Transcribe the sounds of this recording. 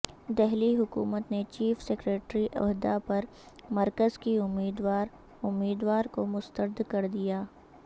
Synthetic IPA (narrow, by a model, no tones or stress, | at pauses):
d̪ɛɦliɦʊkṵːmət̪net͡ʃiːfsekɾeːʈɾiʔɔ̰ɦd̪apɐɾ | mɐɾkəzkiʊmːiːd̪waːɾ | ʊmːiːd̪waːɾkomʊst̪əɾd̪kɐɾd̪ijaː